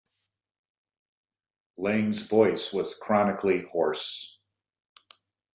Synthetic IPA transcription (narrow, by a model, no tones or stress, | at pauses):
lẽɪ̃nzvɔɪswʌz̥kʰɹ̥ɑnɨkʰlihɔɹs